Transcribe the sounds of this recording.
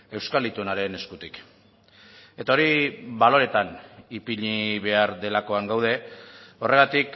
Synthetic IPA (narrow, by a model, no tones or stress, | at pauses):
e̞wskalit̪uenaɾe̞ne̞skut̪ik | e̞t̪ao̞ɾiβalo̞ɾe̞t̪anipiʎiβe̞aɾðe̞lako̞aŋɡawð̞e̞o̞rʔe̞ɣat̪ik